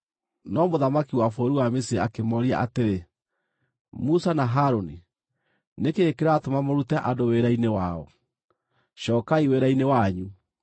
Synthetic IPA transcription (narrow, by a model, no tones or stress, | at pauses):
nɔmoðamakiwafoɾuwamesiɾeakemɔɾia̰ʔateɾe | musanaɦaɾoni | nekeːkeɾaːtomamoɾutɛʔadoweɾainewaɔ̰ | ɕɔːkaiweɾainewaɲu